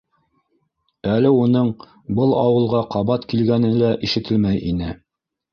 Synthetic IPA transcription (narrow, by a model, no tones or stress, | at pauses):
ælɘunɤɴ | bɤlˠɑwɤ̆lˠʁɑqɑβɑt̪kilɡænɘlæʔiʃɘ̆t̪ɘlmæjʔinɘ